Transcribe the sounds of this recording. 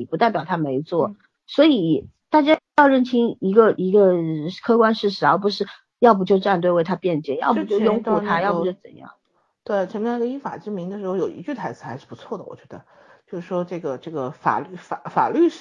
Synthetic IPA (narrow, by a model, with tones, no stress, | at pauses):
pu˧˥t̪a˥˩ɪpjɑ˨˩ʊt̪ʰa˥me˧˥ɪt͡swɔ˥˩ | swɔ˧˥i˨˩ | t̪a˥˩t͡ɕja˥jɑ˥˧ʊɻə˥˩nt͡ɕʰi˥ŋi˧˥ɡə˧i˧˥ɡə˧kʰɤ˥kwa˥nʂɻ̩˥˩ʂ̬ɻ̩˧˥˩a˥˩ʊp̬u˧˥ʂɻ̩˥˧ | jɑ˥˧ʊp̬u˧˥t͡ɕjo˥˧ʈ͡ʂa˥˧nt̪we˥˧ɪwe˥˩ɪt̪ʰa˥pjɛ˥˧nt͡ɕjɛ̰˥˩njɑ̰˥˧ʊpt͡ɕjʊjʊ˥ŋxu˥˧t̪ʰa˥jɑ˥ʊ˥pu˥t͡ɕo˥˩ʊt͡sə̰˨˩njɑ̰˥˩ŋ | t̪we˥˩ɪʈ͡ʂʰə˧˥m˥˩ə˧i˥nfa̰˨˩ʈ͡ʂɻ̩˥mi˧˥ŋd̪ə˧ʂɻ̩˧˥xo˥˩ʊjo˨˩ʊḭ˧˥t͡ɕy˥˩a˧˥ɪt͡sɹ̩˧˩xa˧˥ɪʂɻ̩˥˩pu˧˥t͡sʰwɔ˥˩d̪ə˩wɔ̰˨˩t͡ɕɥɛ˧˥d̪ə̰˧ | t͡ɕjo˥˧ʊʂɻ̩˥˩ʂwɔ˥ʈ͡ʂɤ˥˩ɡə˩ʈ͡ʂɤ˥˩ɡə˩fa̰˨˩ly˥˩fa˨˩fa̰˨˩ly˥˩ʂ